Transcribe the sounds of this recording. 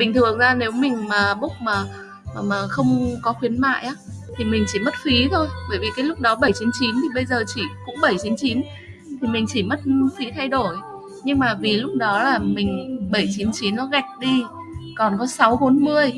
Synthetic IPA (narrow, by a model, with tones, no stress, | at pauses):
mï˨˩ŋ̟t̪ʰɨ˨˩əŋzaː˧ne˨˦wmï˨˩ŋ̟maː˨˩ɓʊ˦˥k͡p̚maː˨˩˨ | maː˨˩xə˧wŋ͡mkɔ˨˦xwi˨˦ənma̰ː˧˨jʔaː˨˦t̪ʰi˨˩mï˨˩ŋ̟t͡ɕi˧˩mə˦˥t̚xi˨˦t̪ʰo˧jɓəː˧˩jvi˨˩kaː˨˦jlʊ˦˥k͡p̚ɗɔ˨˦ɓə˧˩jt͡ɕi˨˦nt͡ɕi˨˦nt̪ʰi˨˩ɓə˧jzəː˨˩t͡ɕi˧˩kʊ̰˧˥ŋ͡mɓə˧˩jt͡ɕi˨˦nt͡ɕi˨˦n | t̪ʰi˨˩mï˨˩ŋ̟t͡ɕi˧˩mə˦˥t̚xḭ˨˦t̪ʰa˧jɗo˧˩j | ɲɨ˧ŋmaː˨˩vi˨˩lʊ˦˥k͡p̚ɗɔ˨˦laː˨˩mï˨˩ŋ̟ɓə˧˩jt͡ɕi˨˦nt͡ɕi˨˦nːɔ˨˦ɣa˨˩k̟̚ɗi˧ | kɔ˨˩nkɔ˨˦sa˨˦wɓo˨˦nmɨ˧əj